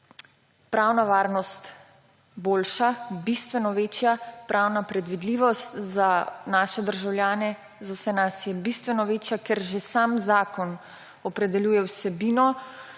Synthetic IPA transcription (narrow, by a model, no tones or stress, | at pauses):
pɾaːwnaʋaːɾnɔst̪ | boːlʃabist̪ʋɛnɔʋeːt͡ʃjapɾʔaːwnapɾɛd̪ʋid̪liːʋɔst̪zanaːʃɛd̪əɾʒawljaːnɛ | zawsɛnasjɛbist̪ʋɛnɔʋeːt͡ʃjakɛɾʒesaːmzaːkɔn | ɔpɾɛd̪ɛljuːjɛwsɛbiːnɔ